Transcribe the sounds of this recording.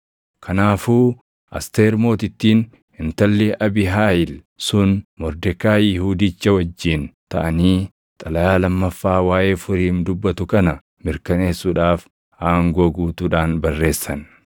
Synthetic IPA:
kʰɐnaːfuː | ʔɐ̰st̪eːɾmo̞ːt̪ɪt̪ːiːn | ɪnt̪ɐlːɛʔɐbɪɦaːjɪl | sʊnmɔɾd̪ɛkaːjɪhuːd̪it͡ʃːɐwɐd͡ʒːiːnt̪ɐʔɐniː | t̪ʼɐlɐjaːlɐmːɐfːaːwaːʔe̞ːfʊɾiːmd̪ʊbːɐt̪ʊkɐnɐ | mɪɾkɐne̞ːsːuːᶑaːf | haːŋɡoːɡuːt̪uːᶑaːnbɐrːe̞ːsːɐn

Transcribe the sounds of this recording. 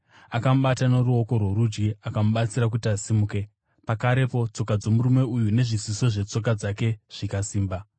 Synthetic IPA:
akamuɓatano̞ɾuo̞ko̞rwoɾud͡ʒɡiakamuɓat͡siɾak̬utiasimuke̞ | pakaɾe̞po̞t͡so̞kad͡zo̞murume̞ujune̞ʐisiso̞ʐe̞t͡so̞k̬ad͡zake̞ʐ̥ikasiːmba

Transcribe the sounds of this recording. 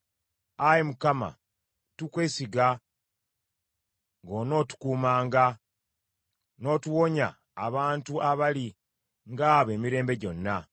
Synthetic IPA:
ajemukama̰ | tukwesiɡa | ŋɡo̞no̞ːtu̥kuːmaːŋɡa | no̞ːtuwo̞ɲaː | βaːntuaβali | ŋɡaːβe̞ːmiɾe̞ːmbe̞ɟo̞nːa

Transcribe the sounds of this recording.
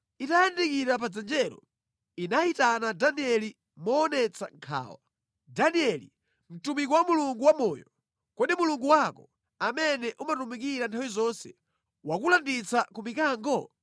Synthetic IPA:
itajandikiɾap̬ad͡zɛnd͡ʒɛɾɔ̰ | inaitanadaniɛli | mɔːnɛt͡sa̰ŋkʰa̰ːwa̰ | daniɛlḭ | m̩tumikɔwamuluŋɡuwamɔːjɔ | kɔɗimuluŋɡuwakɔ | amɛnɛʔumatumikiɾantʰawizɔnsɛ̰ | wakulandit͡sakumikaːŋɡɔ

